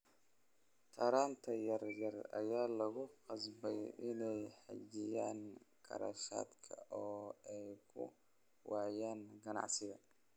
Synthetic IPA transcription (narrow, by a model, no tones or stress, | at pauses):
t̪ʰɐːɾaːnt̪ʰɐjɐrjɐrɐ̰jaːlɐɣʊqɑsbɛjɪnɛjħɑ̰d͡ʒɪjaːŋkʰɐ̰ɾɐ̰ʃa̰ːd̪kʰɐʔɔːɛjkʰʊ̰ | wɑʕjaːŋɡɐnɑ̰ʕsɪɣɐ